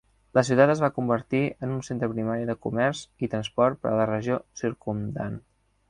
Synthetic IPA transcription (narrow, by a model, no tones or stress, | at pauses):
ləs̬iwt̪at̪əzβakumbəɾt̪iənunsent̪ɾəpɾimaɾiðəkṵmɛɾzit̪ɾənspɔɾt̪̚pə̰ɾə̰lərəʒiosiɾkumd̪a̰n